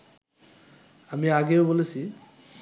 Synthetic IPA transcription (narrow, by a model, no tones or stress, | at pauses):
amĩaɡeobolet͡ɕʰi